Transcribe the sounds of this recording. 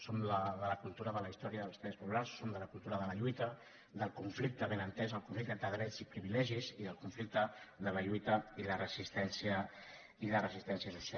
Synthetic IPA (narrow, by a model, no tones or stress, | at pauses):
somləðələkulˠt̪uɾəðələist̪ɔɾiəðəlˠst̪ɾɛspupulaɾsːomd̪ələkulˠt̪uɾəðələʎujt̪ə | d̪əlˠkuɱflik̚t̪əβenənt̪ɛzəlˠkuɱflikt̪ent̪əðɾɛd͡zipɾiβilɛʒiziðəlˠkuɱflik̚t̪əd̪ələʎujt̪əilərəzist̪ɛnsiə | ilərəzist̪ɛnsjəsusa